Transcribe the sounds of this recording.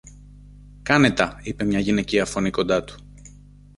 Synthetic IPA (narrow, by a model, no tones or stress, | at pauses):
kɐne̞t̪ɐipe̞mɲɐʝine̞ciɐfo̞niko̞nd̪ɐt̪u̥